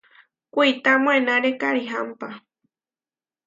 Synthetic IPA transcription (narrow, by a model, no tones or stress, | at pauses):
kʷit̪amw̃enãɾekaɾiɦampa